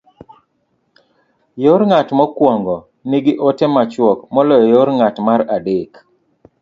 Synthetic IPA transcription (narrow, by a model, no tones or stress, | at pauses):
joɾŋatmɔkwɔŋɡɔ | niɡɪʔotɛmat͡ʃwɔkmɔlɔjɔjoɾŋatmaɾadɪk